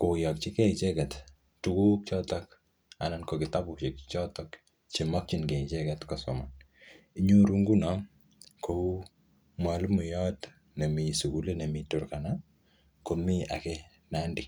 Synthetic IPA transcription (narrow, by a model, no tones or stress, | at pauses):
kojɔk̚t͡ʃikɛt͡ʃɛkɛt | tukuk̚t͡ʃɔtɔk | a̰nankokɪtaput͡ʃik̚t͡ʃɔtɔk | t͡ʃimɔk̚t͡ʃinkɛt͡ʃɛkɛtkɔsɔman | iɲuɾuŋɡunɔŋ | kou | mwalmujɔt | nemisukulenemituɾkana | komia̰kɛ | nandi